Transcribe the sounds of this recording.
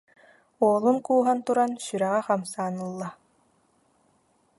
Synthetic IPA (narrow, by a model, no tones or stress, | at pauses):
oːlˠunkuːɦant̪uɾansyɾɛʁɛχamsaːnɯlˠːa